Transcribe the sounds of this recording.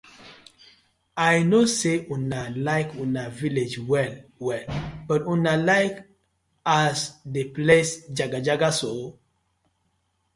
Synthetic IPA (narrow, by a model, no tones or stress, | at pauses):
ajnoseʔunalaɪkunaviled͡ʒwɛlwɛlb̥ətunalaɪk | asdeplesd͡ʒaɡad͡ʒaɡaso